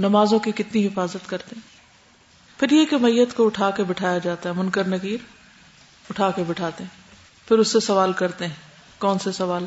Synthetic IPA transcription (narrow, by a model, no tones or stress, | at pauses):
nɐmaːzõkikɪt̪niɦɪfaːzət̪kɐɾt̪eɦɛ̃ː | pʰɪɾjekemɐjːət̪koʊʈʰaːkebɪʈʰaːjad͡ʒaːt̪aɦɛmʊnkəɾnɐɡiːɾ | ʊʈʰaːkebɪʈʰaːt̪eɦɛ̃ː | pʰɪɾʊsːesɐʋaːlkɐɾt̪eɦɛ̃ː | kɔːnsesɐʋaːl